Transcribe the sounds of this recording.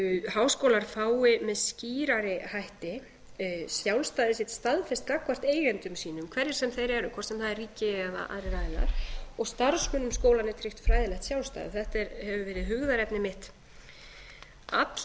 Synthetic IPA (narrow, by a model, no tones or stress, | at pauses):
haːwskowlaɾ̥faːwɪmɛðsciːɾaɾɪhajht̪ɪ | sjawlst̪aːðɪsɪht̪st̪aðfɛst̪̚kakvar̥t̪eːjɣɛnt̪ʏmsiːnʏmkʰvɛɾðɪɾsɛmθejɾɛɾʏkʰvɔr̥t̪sɛmθaðɛrriːcɪɛða̰ʔa̰ðɾɪɾaːðɪna̰ɾ̥ɔɣst̪aɾsmʏnʏmskoːwlanɪt̪ʰɾɪht̪fɾajðɪlɛxt̪sjawlst̪a̰ðɪ̰θɛht̪ɛɾhɛvʏvɛːɾɪðɦʏɣðaɾɛpnɪmɪht̪ | at̪l